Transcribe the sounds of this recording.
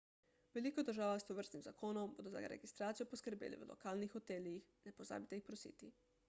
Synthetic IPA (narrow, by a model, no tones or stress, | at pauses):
ʋelikod̪əɾʒaːʋast̪oʋəɾst̪nimzakoːnɔmbod̪oza̰ɡa̰ɾḛɡist̪ɾaːt̪sijoposkəɾbḛːlḭʋəlo̰kaːlnixot̪eːliixnɛpoza̰ːbit̪eixpɾosḭːt̪i